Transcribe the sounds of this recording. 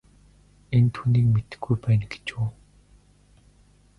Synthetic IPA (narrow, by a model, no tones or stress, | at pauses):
ent̪ʰuːniːkmet̪ɘ̥̆xɡujpæːnɡe̥t͡ɕoː